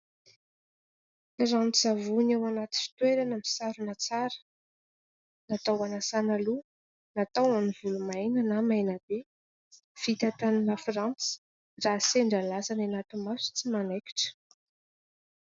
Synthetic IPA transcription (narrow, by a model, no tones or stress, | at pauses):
iɾanʈ͡ʂzavunawanat̪i̥fi̥t̪weɾanəmisaɾunat͡saɾə̥ | nat̪awanasanalu | nat̪awanivulumajnənamajnab̥e | fit̪at̪aninafrant͡si̥ | raseɳɖ͡ʐalasananat̪imasu̥t͡simanajki̥ʈ͡ʂə̥